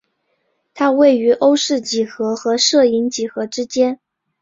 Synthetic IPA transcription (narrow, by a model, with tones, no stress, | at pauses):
t̪ʰa˥we˥˩ɪy˧˥ʔo˥ʊʂɻ̩˥˩t͡ɕi˨˩xɤ˧˥xɤ˧˥ʂɤ˥˩i˧˥nt͡ɕi˨˩xɤ˧˥ʈ͡ʂɻ̩˥t͡ɕjɛ˥n